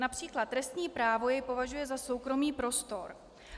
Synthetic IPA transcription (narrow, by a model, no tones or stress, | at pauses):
napr̝̥iːklat̪ːɾɛst̪ɲiːpɾaːvo̞jɛjpo̞vaʒujɛzaso̞wkɾo̞miːpɾo̞st̪o̞ɾ